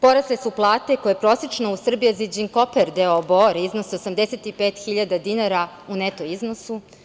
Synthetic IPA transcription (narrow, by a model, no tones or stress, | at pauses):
po̞ɾaslesuplˠaːt̪e̞kojepɾoset͡ʃnousr̩bijezid͡ʑiŋkopeɾd̪eoboɾiznosiosamd̪eset̪ipeːt̪xiʎad̪ad̪inaɾa | unet̪oiznosu